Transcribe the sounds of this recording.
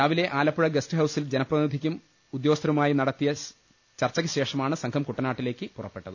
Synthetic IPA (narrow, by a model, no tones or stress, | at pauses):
ɾaːʋile̞ʔaːlɐpːuɻɐɡɐstɨɦɐwsild͡ʑenɐpːrɐnid̪ʱikʲːum | ud̪joːɐst̪ʰːɾɐʋumaːjinɐɽɐt̪ːijɐ | t͡ɕɐrt͡ɕːɐɣɐɕe̞ːʂɐmaːɳɨsɐŋkʰɐmkuʈːɐnaːʈːile̞ːkːɨpurɐpːe̞ʈːɐðɨ